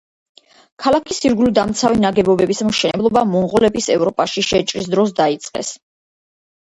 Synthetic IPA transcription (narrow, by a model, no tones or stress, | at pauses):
kʰalˠakʰisiɾɡulid̪amt̪sʰavinaɡɛbɔbɛbismʃɛnɛblˠɔbamɔɴʁɔlɛbisɛvɾɔpʼaʃiʃɛt͡ʃʼɾis̬d̪ɾɔs̬d̪ait̪sʼqʼɛ̰s